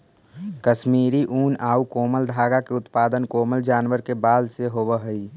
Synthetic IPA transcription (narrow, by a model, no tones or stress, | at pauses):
kəʃmiːɾiʔuːnaːukoːməld̪ʱaːɡakeʊt̪paːd̪ənkoːməld͡ʒaːnʋəɾkebaːlseɦoːbəɦəi